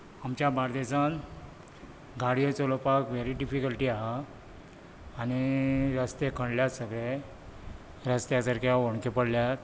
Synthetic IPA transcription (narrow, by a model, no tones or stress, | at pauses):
amt͡ɕjabʱaɾd̪esãn | ɡaɽijət͡solopakʋeɾiɖifikəlʈiːaɦa | aniɾəst̪ekʰəɳɖljasəɡɭe | ɾəst̪jasaɾkʰjaʋoɳ̃kepəɽljat̪̚